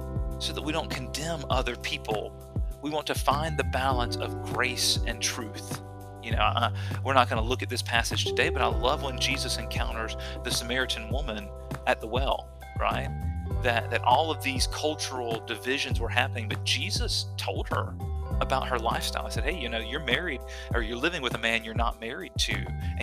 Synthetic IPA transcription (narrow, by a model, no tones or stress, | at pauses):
soʊðət̚wiɾõʊ̃nkʰɨ̃ndɛ̃mʌðə˞pʰipʰl̩ˠ | wiwɑ̃ntʰɨfãɪ̃nðɨbælˠə̃nsʌ̰vɡɹeɪsɨ̃ntʰɹ̥ʉθ | jɨñoʊʔwɨɹnət̚ɡ̥ʌ̃nəlʊkɨt̪̚ðɪspʰæsɨd̥ʒ̥tʰɨdeɪbʌɾaɪlʌvwə̃nd͡ʒizɨsɨ̃nkʰãʊ̃ɾ̃ə˞zðɨsɨmɛɹɨɾɨ̃n̩wʊmɨ̃n | ɨt̪̚ðəwɛ̰lˠ | ɹa̰ɪt̪̚ðɨt̪̚ðɨɾʔɔlˠʌvðiz̥kʰʌlˠt͡ʃə˞l̩ˠdɨvɪʒɨ̃nzwə˞ɦæpənɪ̃ŋbʌt̚d̥ʒ̥izɨstʰoʊlˠd̚hə̰˞əbaʊt̚hə˞la̰ɪfsta̰ɪlˠaɪsɛd̚heɪjɨnoʊjə˞mɛɹiɾ | ʔə˞jə˞lɪvɪ̃ŋwɨðɨmæ̃njə˞nə̰t̚mɛɹid̚tʰʉ̰ɨ̃